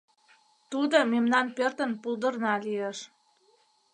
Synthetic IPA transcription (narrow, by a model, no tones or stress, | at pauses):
t̪ud̪omemnɑnpørt̪ə̆npuld̪ərnɑlijeʃ